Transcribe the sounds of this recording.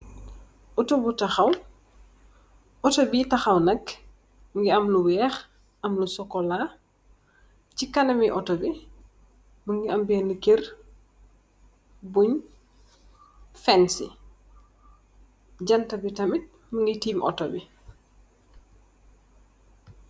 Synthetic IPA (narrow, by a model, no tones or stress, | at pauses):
ʔɔtobutɐxɐw | ʔɔtɔbitɐxɐwnɐk | ŋɡiɐmluwɛːx | ʔɐmlusɔkːɔla | cikɐnɐmiʔɔtɔbi | məŋɡiɐmbɛnikir | buɲ | fɛnsḭ | ɟɐntɐbitɐmit̚ | məŋɡitiːmʔɔ̰tɔbi